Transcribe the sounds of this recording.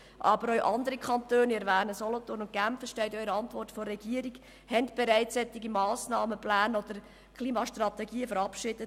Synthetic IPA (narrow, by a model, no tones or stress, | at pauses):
ʔɑbəɾœɥʔɑnd̪əɾikχɑntøːnɪɾʋæːnəsɔlɔtʊrnʊnt̚ɡæmfəʃtɛɪtœʏɾəɑntvɔrtfɔrːɛɡ̥iəɾiɡ | hɛntb̥eɾæɪt͡sːɛt̪ːiɡimɑːsnɑːməplæːnɔd̥̪əɾ | kʰliːmɑʃtrɑt̪ɛɡiːəfəɾɑpʃɪd̥ət